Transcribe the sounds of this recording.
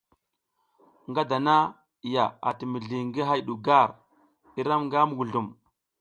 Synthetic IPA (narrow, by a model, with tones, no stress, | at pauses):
ŋɡa˦da˨na˦˨ | ja˨a̰˨ti˨mi˨ɮi˨ŋɡi˦ɦa˦jɗu˨ɡa˦˨ɾ | i˦ɾa˦mŋɡa˦mu˨ɡu˨ɮu˨m